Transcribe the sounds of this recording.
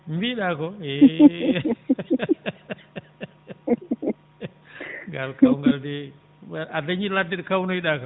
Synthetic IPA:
mbiɗakɔɛ | ŋɡalkawŋɡaldɛ | adaɲiladːiɗɔkawnɔjɗakɔ

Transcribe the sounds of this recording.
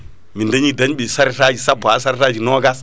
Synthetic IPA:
mindaɲidaɲɓisaɾitad͡ʒisabas̬aɾitad͡ʒinoːɡas

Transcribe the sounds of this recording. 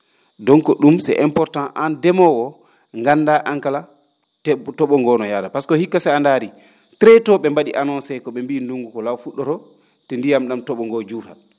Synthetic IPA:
dɔŋkɔɗumsɛ̰ʔɛmpɔɾtãnʔandɛmɔwɔ | ŋɡanːdaʔaŋkala | tɔɓɔŋɡɔnɔjadapaskɔhikːasɛandaɾi | tɾɛtɔɓɛmbaɗiʔanɔnsɛkɔɓɛmbinduŋɡukɔlawfuɗːɔɾɔ | tɛndijamɗamtɔɓɔŋɡɔd͡ʒuɾha̰

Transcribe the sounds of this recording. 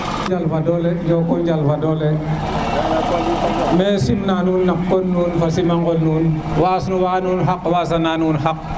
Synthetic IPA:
d͡ʒalfadɔlɛd͡ʒɔkɔɲd͡ʒalfadɔlɛ | mɛːsimnanuːnːakːɔnːuːnfasimaŋɡɔlnuːn | wasnuwaːnuːnɦakwaːsananuːnɦak̚

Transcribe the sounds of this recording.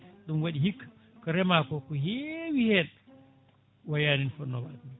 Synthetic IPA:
ɗumwaɗiɦikː | kɔɾɛmaːkɔkɔɦɛwihɛn | wajaːninfɔnːɔwadn

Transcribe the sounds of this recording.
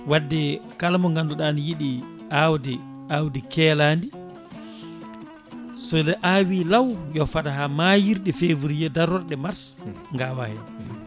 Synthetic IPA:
wadːɛkalmɔŋɡandɔɗanijiɗi | awdɛ | awdikɛlandi | sɔlɛʔawilawjɔfadaɦamajiɾɗɛfeːvuɾijɛdaɾɔɾɗɛmaɾs | ŋɡawahɛ

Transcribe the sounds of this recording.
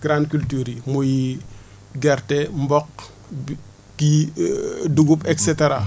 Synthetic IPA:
ɡ̥ɾãndkyltuːɾimuji | ɡɛrtɛmbɔk̚ | ki | duɡupɛksɛteɾa

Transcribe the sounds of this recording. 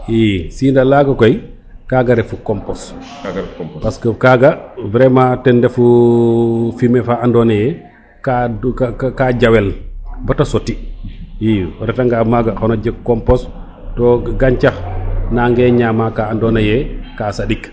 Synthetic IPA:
jisiːndalaɡakɔj | kaːɡaɾɛfukɔmpɔs | paskɔkaɡabɾɛmatɛndɛfu | fimɛfaandɔnɛjɛ | ka | kad͡ʒawɛlbatasotijiɾɛtaŋɡamaɡaxɔnɔd͡ʒɛkɔmpɔs | tɔɡaɲt͡ʃaxnaŋɡɛɲamakaːndɔnajɛkasaɗik

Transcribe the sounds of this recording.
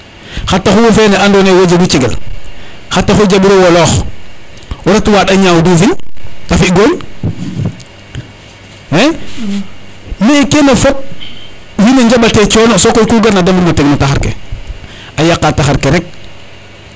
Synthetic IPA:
xatːaxuwufeneandoːnejwod͡ʒeɡut͡ʃeɡḛl | xatːaxud͡ʒabiɾewolɔːx | wuɾatwaɗaɲawduːfinafiɡoːɲ | e | meikenafop̚ | wineɲd͡ʒabatet͡ʃɔːnosokojkuɡaɾnadamuɾmoteɡnataxaɾkḛ | ajakːataxaɾkeɾek̚

